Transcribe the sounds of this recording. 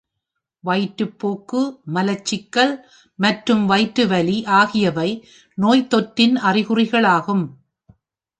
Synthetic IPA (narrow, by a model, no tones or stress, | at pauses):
ʋɐɪʈːɯpːoːkːɯmɐlɐt͡ʃːɪkːɐɭ | mɐʈrɯmʋɐɪʈːɯʋɐliʔaːɣɪjɐʋɐɪ | noːjt̪ɔʈːɪnʔɐrɪɣɯrɪɣɐɭaːɣɯm